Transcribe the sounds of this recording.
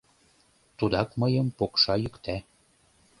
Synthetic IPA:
t̪ud̪ɑkməjəmpokʃɑjykt̪æ

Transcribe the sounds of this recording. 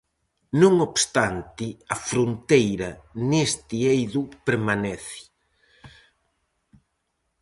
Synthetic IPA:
nũŋobst̪ant̪ɪɐfɾont̪ejɾɐnest̪ɪejðupeɾmanɛθɪ̥

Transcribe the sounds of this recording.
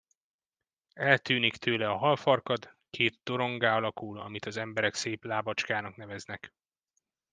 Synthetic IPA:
ɛlt̪yːnikt̪ʰøːlɛɒɦɒlfɒrkɒt̪ | kʰeːt̪̚ːo̞ɾo̞ŋɡaːɒlɒkulɒ̰mit̪ɒzɛmbɛɾɛkseːplaːbɒt͡ʃkaːnɒkn̪ɛvɛznɛk

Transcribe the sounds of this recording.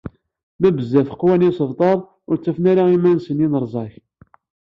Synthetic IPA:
mæbəzːæθə̥qːwænisəvt̪ˤɑɾˤ | ʊɾt͡sːæfnæɾaimænsənjinəɾˤzˤɑç

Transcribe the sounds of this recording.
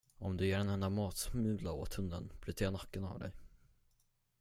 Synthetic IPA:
ɔmd̪ɵjeːɖɛnɛnd̪amɑːt̪smʉ̟ːlao̰ːt̪hɵnd̪ənb̥ɾʏt̪ʰeːɳakːəna̰vd̪ɛ̰j

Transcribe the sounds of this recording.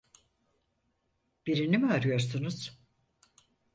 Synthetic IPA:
b̥iɾinimaɾyjo̞ɾsunuz̥

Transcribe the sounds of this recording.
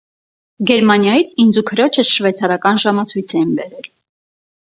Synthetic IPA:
ɡɛɾmɑnjɑjit͡sʰind͡zukʰəɾɔt͡ʃʰəsʃvɛt͡sʰɑɾɑkɑnʒɑmɑt͡sʰujt͡sʰɛjinbɛɾɛl

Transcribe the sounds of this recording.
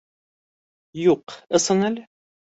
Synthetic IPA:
juqɤ̆sɤnælɘ

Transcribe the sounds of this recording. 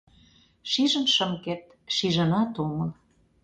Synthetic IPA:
ʃiʒə̆nʃə̆mket̪̚ | ʃiʒə̆nɑt̪omɤ̆n

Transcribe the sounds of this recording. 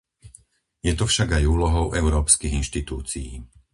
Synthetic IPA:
jɛt̪ɔfʃaɡajuːlɔɦɔʊʔɛʊɾɔːpskiɣinʃt̪it̪uːt͡sijḭː

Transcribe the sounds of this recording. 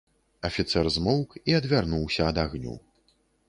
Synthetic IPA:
ɐfʲit̪sɛrzmɔwkiɐd̪vʲarnuwsʲɐːd̪aɣnʲṵ

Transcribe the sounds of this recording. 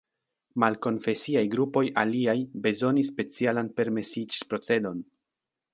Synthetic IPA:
malko̞nfe̞siajɡɾupo̞jʔaliajbe̞zo̞nis̬ːpe̞t͡sialanpe̞ɾme̞sid͡ʒipɾo̞t͡se̞do̞n

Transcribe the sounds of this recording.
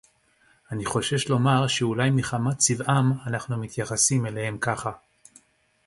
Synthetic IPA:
aniχo̞ʃe̞ʃlo̞maʁʃeulajmiχamat͡sivʔamanaχnumit̪jaχasime̞le̞he̞mkaχa

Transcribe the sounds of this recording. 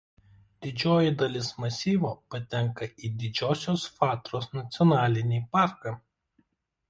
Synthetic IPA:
d̪ʲɪd͡ʒʲoːjɪd̪ɐlʲɪsmɐsʲiːʋoːpɐt̪ʲɛŋˑkɐʔiːd̪ʲɪd͡ʒʲoːsʲoːsfɑːt̪ɾoːsnɐt̪sʲɪɔnɑːlʲɪnʲiːpɑˑɾkɑː

